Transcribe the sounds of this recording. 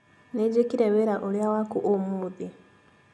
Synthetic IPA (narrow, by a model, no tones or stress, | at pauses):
ned͡ʒekiɾɛweɾaʔoɾjawakuʔomuði